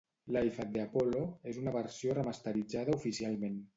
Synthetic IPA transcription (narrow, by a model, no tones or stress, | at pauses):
lajfat̪̚d̪eapɔloezunəβəɾsiorəmast̪əɾid͡zað̞əufisialˠmen